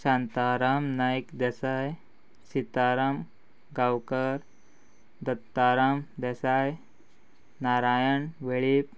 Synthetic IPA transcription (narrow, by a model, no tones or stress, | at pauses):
ɕãnt̪aɾamnajkd̪ɛsaj | sit̪aɾam | ɡawkəɾ | d̪ət̪ːaɾamd̪ɛsaj | naɾajəɳʋeɭip̚